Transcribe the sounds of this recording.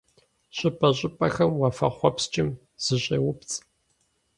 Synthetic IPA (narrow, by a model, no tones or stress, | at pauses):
ɕʼɪpʼɐɕʼɪpʼɐxɐmwɑfɐ̰χʷɔpst͡ʃʼɪm | z̥ɨɕʼeːwʊpt͡sʼ